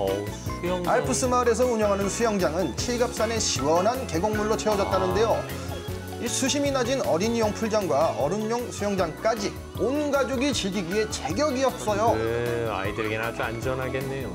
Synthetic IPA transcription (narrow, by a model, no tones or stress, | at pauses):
sujŋaɭpʰɯs͈ʰɯmaɾe̞s̬ʰʌuɲʌŋɦanɯnsʰujʌŋd͡ʑaŋɯnt͡ɕʰiɭɡap̚s͈ane̞ɕʰiwʌnɦanke̞ɡoŋmuɭːot͡ɕʰeʌd͡ʑʌt̚t͈anɯnde̞jo | isʰuɕʰiminad͡ʑinʌɾiɲjoŋpʰuɭd͡ʑaŋɡwaʌɾɯɲːoŋsʰujʌŋd͡ʑaŋk͈ad͡ʑi | onɡad͡ʑoɡit͡ɕiɭɡiɡɥie̞t͡ɕe̞ɡjʌɡiʌt̚s͈ʌjoa̰idɯɾeɡenaad͡ʑoand͡ʑʌnɦaɡe̞nːe̞jo